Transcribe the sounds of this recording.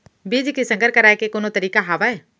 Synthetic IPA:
biːd͡ʒkisə̃ŋɡəɾkɐɾaːekekoːnot̪əɾiːkaɦaːʋaɛː

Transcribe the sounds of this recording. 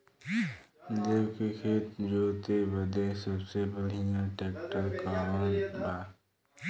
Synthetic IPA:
lekekʰeːt̪d͡ʒoːt̪ebəd̪esəbsebəɽ̤ijãʈeːkʈəɾkaʋənba

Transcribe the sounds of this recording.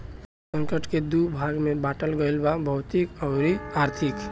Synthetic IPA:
sə̃ŋkəʈked̪ubʱaɡmebaʈəlɡəɪlbabʱəʊt̪ikəʊɾiaɾt̪ʰik

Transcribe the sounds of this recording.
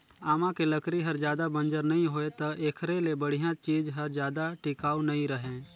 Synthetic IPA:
aːmãkeləkɾiɦɐɾd͡ʒjaːd̪abə̃nd͡ʒəɾnɐɦĩɦoːet̪ɐʔeːkʰɾelebəɽ̤ijãt͡ʃiːd͡ʒɦɐɾd͡ʒjaːd̪aʈɪkaːunɐĩɾəɦẽː

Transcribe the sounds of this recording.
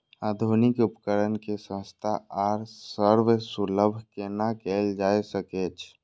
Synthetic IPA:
ad̪ʱunikupkəɾənkesə̃st̪ʰaaɾsəɾʋesuləbʱkenakɛld͡ʒaesəkɛt͡ʃʰ

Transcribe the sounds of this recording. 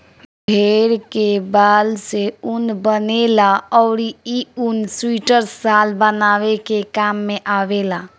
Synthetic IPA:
bʱeɾkebalseunbənelaɔʊɾiiunswiʈəɾsalbənaʋekekamːeʔabela

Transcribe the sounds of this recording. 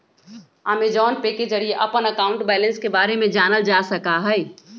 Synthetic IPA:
aːmed͡ʒɔːnpeked͡ʒəɽieʔɐpənəkaːʊ̃ɳʈbɛːlə̃nskebaːɾemẽd͡ʒaːnəld͡ʒaːsəkaɦɛː

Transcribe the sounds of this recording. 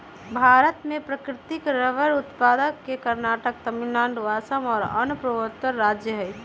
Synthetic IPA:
bʱaːɾət̪mẽpɾɐkɾɪt̪ɪkɾəʋəɾʊt̪paːd̪əkːekɐɾnaːʈək̚t̪ɐmɪnːãːɳɖʋaːsəmɔːɾɐ̰nʊpɾəʋət̪əɾːaːd͡ʒjəɦɛ

